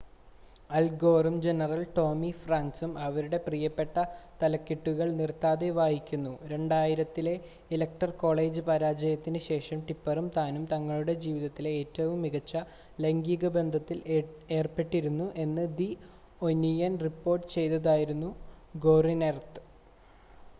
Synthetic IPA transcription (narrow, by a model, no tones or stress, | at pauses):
ɐlɡo̞ːrumd͡ʑe̞nɐrɐlʈo̞ːmifraːnsumɐʋɐɾuɽe̞prijɐpːe̞ʈːɐt̪ɐlɐkːiʈːuɣɐɭnirt̪ːaːd̪eʋaːjikʲːunːuɾe̞ɳɖaːjiɾɐt̪ːile̞ | ilɐk̚ʈɐrko̞ːɭe̞ːd͡ʑɨpɐɾaːd͡ʑɐjɐt̪ːinɨɕe̞ːʂɐmʈipːɐrumt̪aːnumt̪ɐŋːɐɭuɽe̞d͡ʑiːʋiðɐt̪ːileeːtːɐʋumːiɣɐt͡ɕːɐ | lɐŋɡiːɣɐbe̞nd̪ʱɐt̪ːile̞ːrpe̞ʈːiɾunːuʔe̞nːɨd̪i | onːijɐnripːo̞ːrʈːɨ̥t͡ɕe̞jt̪ːɐðaːjiɾunːuɡo̞ːrinert̪ɨ̥